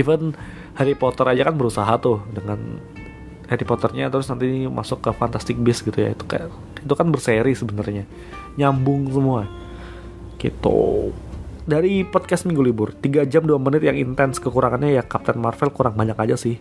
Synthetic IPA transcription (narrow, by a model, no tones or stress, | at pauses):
ivən | heɾipɔt̪əɾad͡ʒakanbəɾusaɦat̪ʊhdəŋan | heɾipɔt̪ərɲat̪əɾʊsnant̪ima̰sʊkːəfant̪ast̪ɪk̚bɪsɡit̪uja̰it̪u̥ka̰ | it̪ukanbərseɾisəbənərɲa | ɲambʊŋsəmua | kḭt̪ṵ | daɾipɔd̚kast̪miŋɡulibʊrt̪iɡad͡ʒamduamənɪt̪̚jaŋint̪ɛnskəkuɾaŋanɲajakap̚t̪ɛnmarfɛlkuɾaŋbaɲakad͡ʒasɪh